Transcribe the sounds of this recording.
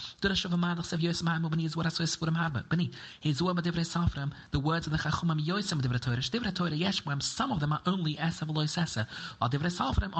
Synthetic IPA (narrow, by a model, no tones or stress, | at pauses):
d̥ʊɾəʃʊvəmadˠəχsevjoɪsəmhaməbənizuəɾasoɪsfuɾəmhaɾbə̰b̥ənihezuəmədɪvɾesalˠfɾəmðəwɜːdzɔvðəχaχuməmjɔɪsɪmədɪvɾetʰoɪɾəʃd̥ɪvɾetʰoɪɾəjɛʃmwɛmsɐmɔvðəməʔõʊ̃nlˠiʔɛsəvəlˠɔɪsɛsəɔdɪvɾesalˠfɾɛm